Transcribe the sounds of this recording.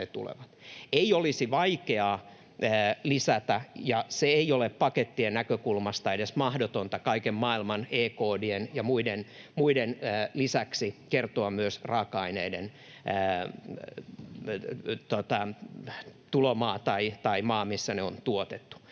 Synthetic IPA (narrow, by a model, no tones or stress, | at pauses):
et̪ṵlḛʋɑt̪eiolisiʋɑikeɑː | lisæt̪æjɑseeioleppɑket̪ːienækøkulmɑst̪ɑedesmɑhdot̪ont̪ɑkɑikemmɑːilmɑneːkoːdienjɑmuidenmuidenːlisæksikert̪oɑmmyøsrɑːkɑineidenː | t̪ot̪ɑ | t̪ulomɑːt̪ɑit̪ɑimɑːmisːæneont̪uot̪et̪ːu̥